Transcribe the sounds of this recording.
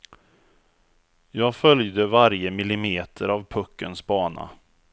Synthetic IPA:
jɑːɡfœljd̪əvaɾjəmɪlɪmeːt̪ʰəɾavpʰɵkːənsbɑːna̰

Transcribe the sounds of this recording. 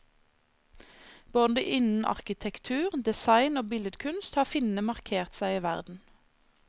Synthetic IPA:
b̥oːd̪d̪ḛːʔɪnn̩ʔɑ̰ʁkɪt̪ʰɛkt̪ʰʉːʁd̪ɛsɑɪnoːbɪləd̪kʰʉnst̪hɑːfɪnnəmɑʁkʰeːʁt̪sæɪiːʋæʁd̪n̩

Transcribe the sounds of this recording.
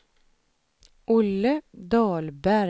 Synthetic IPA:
ʔʊləd̪ɑːlbæɾ

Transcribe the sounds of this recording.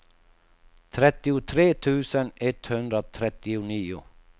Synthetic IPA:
t̪ʰɾɛt̪ɪʊt̪ʰɾeːt̪ʰʉːsənɛt̪hʉnd̪ɾot̪ʰɾɛt̪ɪʊniːʊ̰

